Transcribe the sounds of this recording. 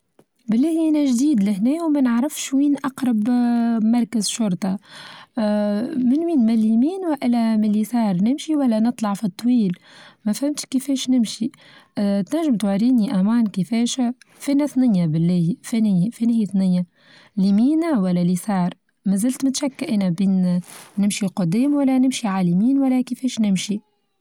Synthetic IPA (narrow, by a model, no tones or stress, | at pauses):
bɪlːæːhiʔænæʒd̪iːd̪lɪhnɛːwmænəʕɾɪfʃwiːnʔɑqɾˤɑbmɑɾˤkəzʃʊɾˤt̪ˤɑ | mɪnwiːnmælimiːnwaʔɪlæmɪlːisɑːɾˤnɪmʃiwælːænɨt̪ˤlɑʕfit̪ˤːwiːl | mæfhæmt̪ʃkəfɛːʃnɪmʃi | t̪næʒːɪmt̪waɾiːniʔæmaːnkəfɛːʃ | fiːnæθnɪjjːabɪlːɛːfenfinhiːθnɪnjːa | limiːnawælːælisɑːɾˤ | mæzɪlt̪mɪt̪ʃækːʔæːnæbiːnːɪmʃiqʊd̪ɛːmwælːænɪmʃiʕalimiːnwælːækəfɛːʃnɪmʃi